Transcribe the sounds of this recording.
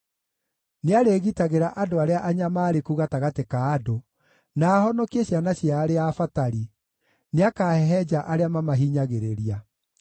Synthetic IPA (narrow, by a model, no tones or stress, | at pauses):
neaɾeɣitaɣeɾaʔadoaɾeaʔaɲamaːɾekuɣataɣatekaːdo | naːhɔnɔkeɕjanaɕjaːɾeafataɾi | neakahɛɦɛd͡ʒaʔaɾeamamaɦiːɲaɣeɾeɾia